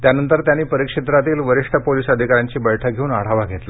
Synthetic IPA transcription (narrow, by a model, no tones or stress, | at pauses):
t̪janənt̪əɾt̪janːiːpəɾikʂit̪̬ɾat̪iːlʋəɾiʂʈʰəpoliːsəd̪ʱikaɾjaɲt͡ɕiːbəjʈʰəɡʱeuːnaɽ̤aʋaɡʱet̪li